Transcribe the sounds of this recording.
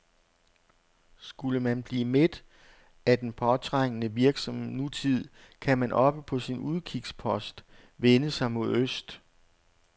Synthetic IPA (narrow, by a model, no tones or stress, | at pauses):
sɡ̥uləmænb̥liːmed̥ | æd̥enpʰɒ̽t͡sʰʁaŋ̰ənəʋiɐɡ̥sɒ̽mnut͡sʰið̰ˠ | kʰæmænʔɒ̽b̥əpʰɒ̽sinuð̞ˠkʰiɡ̥spʰɒ̽sd̥ | ʋenəsɑ̈ɪmo̝ð̰ˠøsd̥